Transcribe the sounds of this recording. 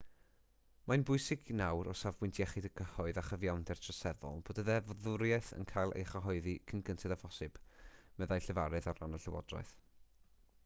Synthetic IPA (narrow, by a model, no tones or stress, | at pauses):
majnbʊɨsɪɡnawɾɔ̰savwɪntʰjɛχɪdəɡʰəhɔɨðaχəvjawndɛrtʰrəsɛðɔ̰lˠb̥oːdəðɛvɔðʊɾjɛθə̰nkʰajlˠḛjχaɦɔɨðikʰənɡəntʰɛdavɔsɨb̥mɛðajɬəvaɾɨðaɾanəɬɪwɔ̰drɔ̰ɨθ